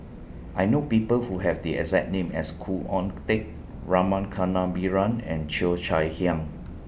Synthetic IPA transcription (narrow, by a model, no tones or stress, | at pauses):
ʔajnopipəlhuɦɛvdiɛ̰zɛt̚nẽmɛ̰skʰuʔɔ̃nt̪ek̚ | ɹamãnkʰanãbiɹãnɛ̰̃nt͡ʃilt͡ʃajhiãŋ